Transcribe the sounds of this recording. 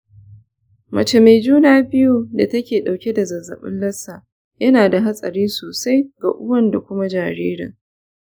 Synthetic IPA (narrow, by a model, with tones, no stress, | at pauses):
mɐ˨t͡ʃe˨me˨d͡ʒuː˦naː˨bɪ˦ju˦da˨tɐ˦kʲeː˨ɗa˨wkʲe˦da˨zɐ˨zːɐ̰˨ɓɪ̰˦nlɐ˦saː˨ | jɐ˦naː˨da˨ɦa˦sʼɐ̰˨ɾiː˦soː˨sa˦jɡa̰ː˨ʔʊ˦wɐ˦nda˨kʷʊ˦ma˦d͡ʒaː˨ɾḛː˦ɾɐ̰˨